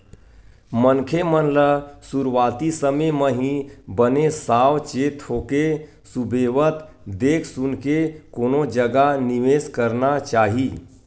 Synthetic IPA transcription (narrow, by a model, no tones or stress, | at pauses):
mənkʰemənləsuɾwaːt̪isəmeməɦĩbənesaːwt͡ʃeːt̪ɦoːke | subʱeːwət̪ | d̪eːkʰsʊnkekoːnod͡ʒəɡaniʋeːskəɾnat͡ʃaːɦi